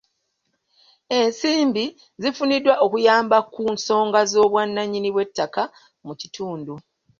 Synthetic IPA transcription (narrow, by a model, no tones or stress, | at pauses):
e̞nsiːmbi | zifunidwaʔokujaːmbakunso̞ːŋɡazo̞ːβwanːaɲːiniβwe̞tːaka | mucitʰuːndu